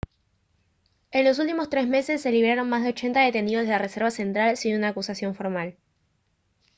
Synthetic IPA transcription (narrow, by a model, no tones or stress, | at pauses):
e̞nlo̞s̬ult̪imo̞st̪ɾe̞sme̞se̞sːe̞liβɾaɾo̞nmazðe̞o̞t͡ʃe̞nt̪aðe̞t̪e̞niðo̞zðelare̞se̞ɾβ̞ase̞nt̪ɾalsinunaːkusasjo̞ɱfo̞ɾmal